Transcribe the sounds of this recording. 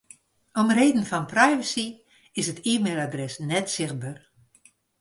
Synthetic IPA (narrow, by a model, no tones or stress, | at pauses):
ɔmreːdən̩fɔnprajvəsi | ɪsətʰiːmeːlˠadrɛsnɛtsɪx̚bar